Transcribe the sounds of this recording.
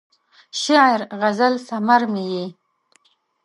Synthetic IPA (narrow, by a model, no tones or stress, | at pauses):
ʃiɾɣazalsamaɾmije